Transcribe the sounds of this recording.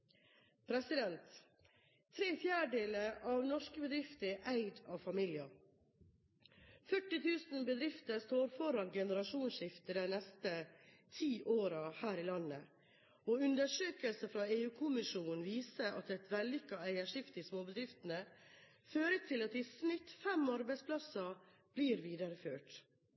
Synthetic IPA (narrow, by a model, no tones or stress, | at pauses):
pʰɾɛsɪd̪ɛnt̪ʰː | ɾeːfjæːɖeːləɾʔɑʋnɔʂkəbəd̪ɾɪft̪əʔæɪd̪ɑʋfɑmɪːljɑ | fœʈːɪt̪ʰʉːsnbəd̪ɾɪft̪əst̪oːɾfɔɾɑɡɛnəɾɑʃuːnʃɪft̪əd̪æɪnɛst̪ət̪ʰiːʔoːɾɑhæːɾɪlɑnːə | ɔʉnd̪əʂøːkəlsəfɾɑːeːʉːkʰʊmɪʃuːnn̩ʋiːsəʔɑt̪ɛt̪ʋɛlːʏkːɑæɪəʂɪft̪iːsmoːbəd̪ɾɪft̪ən̩ə | føːɾət̪ʰɪlɑt̪ɪsnɪt̪ːfɛmɑɾbæɪspʰlɑsɑ | b̥liːɾʋiːd̪əɾəføːʈ